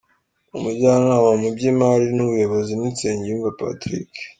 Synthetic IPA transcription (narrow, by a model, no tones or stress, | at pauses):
umubɟaːnaːmamubɟimaɾinuβujo̞βo̞zinint͡seːɲɟuːmvapa̰tɾḭk